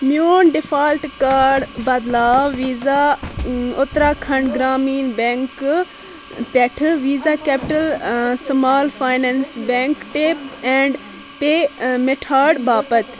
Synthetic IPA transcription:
mjoːnɖɪfʰaːlʈkaːɖbɐd̪laːʋʋiːza | ʊt̪ɾaːkʰɐɳɖɡɾaːmiːnbẽŋk | pɛʈʰʋiːzaːkeːpɪʈəlsmaːlfʰaːɪnẽnsbẽŋkʈeːpɛ̃ːɳɖ | peːmeʈʰaːɖbaːpət̪

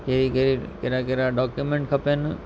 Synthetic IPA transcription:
keɾikeɾikeɾakeɾaɖɔːkjumẽɳʈ̚kʰɐpenu

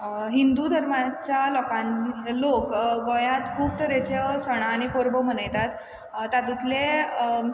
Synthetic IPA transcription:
ɦind̪ud̪ʱəɾmat͡ɕjalɔkãlokɡəjãt̪kʰuːb̚t̪əɾet͡ɕesəɽ̃aːɽ̃ipoɾbom̤ənəjt̪at̪ː | ad̪ut̪le

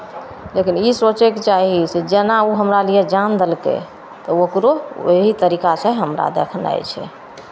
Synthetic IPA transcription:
lekinisot͡ʃeket͡ʃaɦised͡ʒenauɦəmɾalijed͡ʒand̪elkḛ | t̪ɔokɾoo̰ɦit̪əɾikasə̃ɦəmɾa̰d̪ḛkʰna̰jt͡ʃʰɛ̰

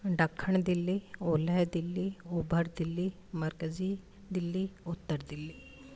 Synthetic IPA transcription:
ɖakʰːəɳd̪ilːioləjd̪ilːiubʱəɾd̪ilːi | məɾkəd͡zi | d̪ilːiut̪ːəɾd̪ili

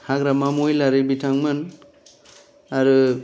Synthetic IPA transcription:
haɡɾamamojlaɾɯbitʰaŋmɯn | aɾɯ

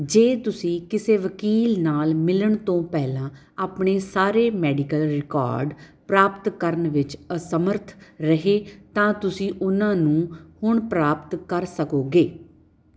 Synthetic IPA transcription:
d͡ʒeːt̪ʊsĩːkɪseːʋəkiːlnaːlmɪləɳt̪õːpɛːlãː | aːpɳeːsaːɾeːmɛːɖɪkəlɾɪka̰ːɾɖpɾaːpt̪kəɾənʋɪt͡ʃəsəməɾt̪ʰɾəɦeːt̪ãːt̪ʊsĩːʔʊnãːnũːhʊɳpɾaːpt̪kəɾsəkoːɡeː

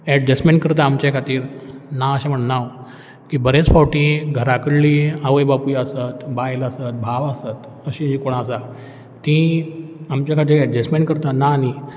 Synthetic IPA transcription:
ɛʈd͡ʑɛsʈmẽɳʈkəɾt̪aːmt͡ɕjakʰat̪iːɾnaəɕam̤əɳnaw | kibəɾet͡sfawʈĩɡʱəɾakəɽliaʋəjbapujəsat̪bajlasət̪̚bʱaʋasət̪ | əɕĩd͡ʑĩkoɽ̃ãsa | t̪ĩ | amt͡ɕjakʰat̪̬iːɾɛɖd͡ʑesmẽɳʈkəɾt̪anani

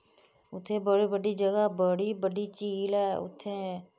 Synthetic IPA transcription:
ʊt̪ʰːẽːbəɽiːbəɖiːd͡ʒəɡaːbəɽiːbəɖiːt͡ʃiːlɛːʊ̰t̪ʰːẽː

